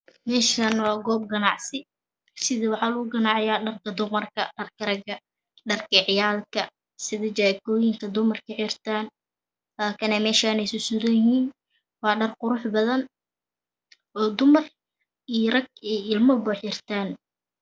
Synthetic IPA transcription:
mɛːʃanwɑːɡɔːb̚ɡɐnɑʕsɪ | sɪðɐwɑħɑːlʊɣʊɡɐnɑːʕɪjaːɖɐrkʰɐd̪ʊmɐrkʰɐɖɐrkʰɐɾɐɡɐ | ɖɐrkʰɐʕɪjaːlkʰɐ | sɪðɐt͡ʃaːkɔːjɪŋkʰɐd̪ʊmɐrkʰɐħirt̪ʰaːn | laːkʰɐnɛmɛːʃaːnɛjsʊsʊɾɐjhiːn | wɑːɖɐrqʊɾʊħbɐðɐn | ɔːd̪ʊmɐr | ijrɐɡɛɪlmɐbʊħɪrt̪ʰaːn

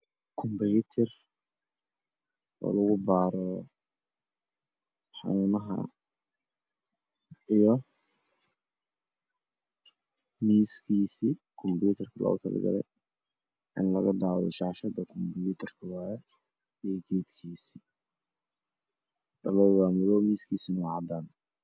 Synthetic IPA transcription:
kʰɔmbjut̪ʰɛr | ɔ̰ːlɐɣʊbaːɾɔ | ħɑ̰nuːnɐɦɐ̰ | ijɔ | miːskʰiːsikʰɔmbjuːt̪ʰɐrkʰɐlʔɔ̰ɣʊ̰t̪ʰɐlɐ̰ɡɐ̰lɛ̰j | ʔɪnlɐɣɐd̪aːwɛjʃɑʕʃɐd̪ɐkʰɔmbjuːt̪ʰɐrkʰɐwaːɾɛ | ijɡɛːd̪kʰiːsi̥ | ɖɐlɔwwaːmʊlɔmiːskʰiːsinɐwʕɑd̪aːn

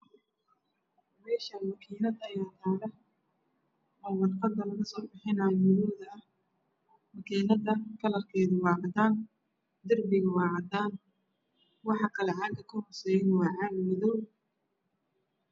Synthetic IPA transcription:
mɛːʃɐwɐkʰiːlɐd̪ɐjaːt̪ʰaːlɐ | ɔːwɑrqɑd̪ɐlɐɣɐsɔːbɪħɪnɐmʊɾuːðɐɐh | mɐkʰiːnɐdɐkʰɐlɐrkʰɛːðʊwɑːʕɑd̪aːn | d̪ʊrbɪɣɐwɑːʕɑd̪aːn | wɑħɑkʰɐlɛʕɑɡɐkʰʊhɔrsɛːjɪnwɑːʕɑɡmɪðɔw

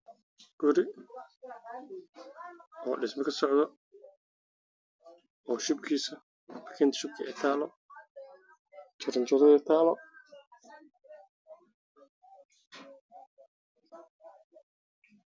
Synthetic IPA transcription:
ɡ̥ʊɾɪ | ɔːɖɪsmɐkʰɐsɔʕd̪ɔ | ɔːʃʊb̚kʰiːsɐ | kʰɛnt̪ʃʊb̚kʰɐʔɛt̪ʰaːlɔ | t͡ʃɐɾɐnt͡ʃɔɾɔɛt̪ʰaːlɔ

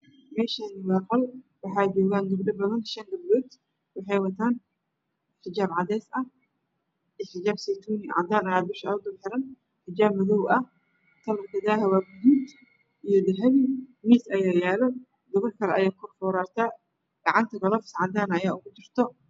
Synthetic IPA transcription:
mɛːʃanɪwɑːqɔlwɑħɑːd͡ʒɔːɣaːnd̪ʊbɖɐbɐðɐnʃɐŋd̪ɐbbɔːd̪ | wɑħɑjwɐt̪ʰaːn | ħɪd͡ʒaːbʕɑd̪ɛːsɐh | ɪħɪd͡ʒaːbsɛjt̪ʰuːnɪʕɑ̰d̪aːnɐjaːbɪʃɐʊd̪ʊmħɪɾɐn | ħɪd͡ʒaːbmɐðɔwɐh | t̪ʰɐlɐmkʰɐd̪aːɦɐwaːbʊd̪uːd̪ | ʔijɔd̪ɪɦɛβɪmiːsɐjaːjaːlɔ | d̪ɔβɔrkʰɐlɛʔɐjaːkʰʊrfɔːɾaːrt̪ʰaː | ɡ̥ɐʕɑnt̪ʰɐɡɔlɔːfsʕɑd̪aːnɐjaːʊɣʊt͡ʃɪr̥t̪ʰɔ

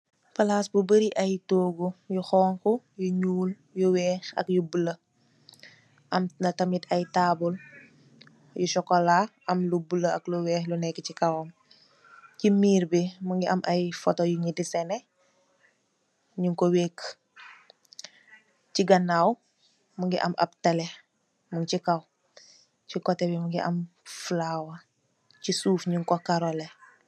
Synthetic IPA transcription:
pɐlaːsbubəɾiʔɐjtoːɡujuxɔːŋkɔ | juɲuːl | juwɛːxɐ̰kjubulə | ʔɐmnɐtɐmitʰɐjtaːbul | juʃɔkːɔlaːʔɐmlubuləɐkluwɛːxlunɛkːəcikɐwɔm | cimiːɾbimuŋɡiʔɐmʔajfɔtɔjuɲidisɛnɛ | ɲuŋkoweːk | ciɡanːaːw | muŋɡiʔɐ̰mʔɐ̰b̚talɛ | muŋcikaw | cikɔtɛbimuŋɡiʔɐ̰m | flawa | cisuːfɲuŋkɔkaɾɔlɛ

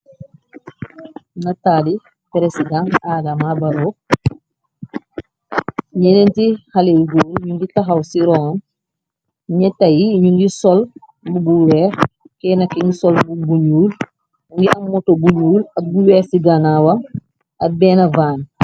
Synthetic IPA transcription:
natadi | pɛɾesiɡãnaːdamabaɾɔː | ɲɛnentihalejɡoːɾɲuŋɡitaxawsiɾɔn | ɲɛtːajiɲuŋɡisɔl | bubuwɛːx | kɛːnakiŋɡisɔlbubuɲuːl | uŋɡiʔɐmmːɔtobuɲuːlɐbuwɛːsiɡanawɐm | ɐbɛːnɐvaːn

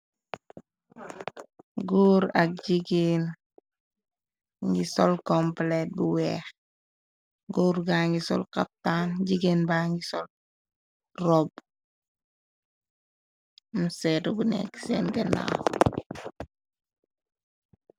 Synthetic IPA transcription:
ɡuːɾa̰k̚ɟiɡen | ŋɡisɔlkɔmplet̚buwɛːx | ɡuːɾɡaːŋɡisɔ̰lkap̚taːnɟiɡenbaŋɡisɔl | rɔb | musɛtubunɛ̰ksɛːnɡɛna̰

